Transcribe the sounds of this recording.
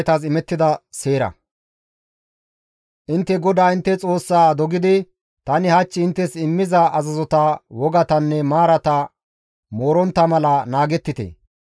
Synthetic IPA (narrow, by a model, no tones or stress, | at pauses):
t̪ɐs̬ɪmɛt̪ːɪd̪ɐse̞ːɾɐ̰ | ʔɪnt̪ːɛɡɔd̪aːɪnt̪ːɛt͡sʼo̞ːsːaːd̪ɔɡɪd̪ɪ | t̪ɐnɪhɐt͡ʃːɪɪnt̪ːɛsɪmːɪzɐʔɐzɐzɔt̪ɐwɔɡɐt̪ɐnːɛmaːɾɐt̪ɐ | mo̞ːɾɔnt̪ːɐmɐlɐnaːɡɛt̪ːɪt̪ḛː